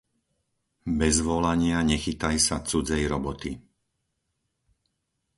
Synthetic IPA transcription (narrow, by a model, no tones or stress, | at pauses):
bɛzʋɔlaɲɪaɲɛxit̪ajsat͡sud͡zɛjɾɔbɔt̪i